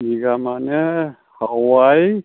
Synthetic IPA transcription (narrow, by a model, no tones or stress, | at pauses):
iɡamanɛ | hawaj